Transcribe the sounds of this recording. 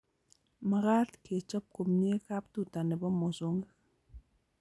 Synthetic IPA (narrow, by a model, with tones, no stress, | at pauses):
ma˨ɾa˦tke˨t͡ʃɔ˦p̚ko˨mne˦ka˦p̚tu˨ta˨nɛ˨bɔ˦mɔ˨so˦ŋɡ